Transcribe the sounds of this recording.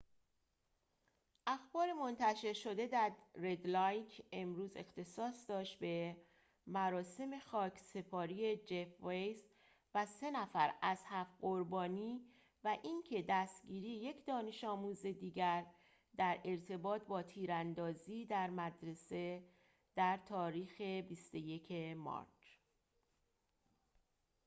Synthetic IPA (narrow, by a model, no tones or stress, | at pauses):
ʔæxbɒːɾe̞mo̞nt̪ʰæʃe̞ɾʃo̞d̪e̞d̪æɾːed̪lɒjkʰe̞mɾuːze̞̰xt̪ʰe̞sɒːsd̪ɒːʃt̪̚be̞ | mæɾɒːse̞me̞xɒːcʰse̞pʰɒːɾie̞d͡ʒe̞fvejs | væse̞næfæɾæz̥hæfɢo̞ɾbɒːniː | væʔiŋcʰe̞d̪æst̪ɟiːɾiːje̞cʰd̪ɒːne̞ʃɒːmuːze̞d̪iːɟæɾ | d̪æɾe̞ɾt̪ʰe̞bɒːt̪̚ʰbɒːt̪ʰiːɾænd̪ɒːziːd̪æɾmæd̪ɾe̞se̞ | d̪̥æɾt̪ʰɒːɾiːxe̞bist̪o̞je̞cʰe̞mɒ̰ɾt͡ʃ